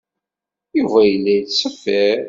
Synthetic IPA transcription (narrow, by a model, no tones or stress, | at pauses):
juvæjəlːæjətsəfːəɾ